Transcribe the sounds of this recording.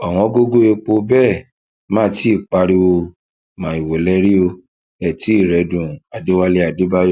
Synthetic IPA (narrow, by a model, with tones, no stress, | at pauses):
a˨w̃ɔ̃˧˦ɡo˦ɡo˦e˧k͡po˧bɛ˦˨ | mãː˦ti˦i˦˨k͡pa˧ɾi˧wo˧ | mã˨i˨wo˨lɛ˦ɾi˦o˧ | ɛ˨ti˨˦i˦˨ɾɛ˨˦dũ˨a˨de˨˦wa˧le˧˦a˨di˨˦ba˦jɔ˦